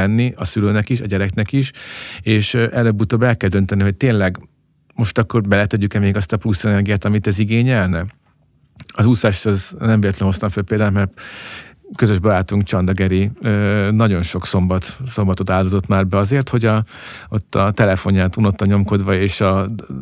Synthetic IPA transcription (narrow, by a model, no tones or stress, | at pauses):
ɛnːiɒsyløːnɛkiʃɒɟɛɾɛknɛkiʃeːʃʔɛløːbːut̪oːbɛlkɛld̪ø̞nt̪ɛniɦo̞c̚t̪eːnlɛɡ | mo̞ʃt̪ɒkːo̞rbɛlɛt̪ɛɟykɛmeːɡɒst̪ɒplusɛnɛrɡijaːt̪ɒmit̪ɛziɡeːɲɛlnɛ | ɒzuːsaʃɒznɛmeːɛt̪lɛnho̞st̪ɒɱfølpeːld̪aːnmɛrt̪ | kø̞zøʒbɒɾaːt̪uŋkt͡ʃɒnd̪ɒɡɛɾiøːnɒɟo̞nʃo̞kso̞mbɒt̪so̞mbɒt̪o̞t̪aːld̪ozo̞t̪maːrbɛɒzeːrt̪ho̞ɟɒot̪ʰːɒt̪ɛlɛfo̞ɲaːt̪unot̪ːɒɲo̞mko̞d̪ʋɒeːʃɒ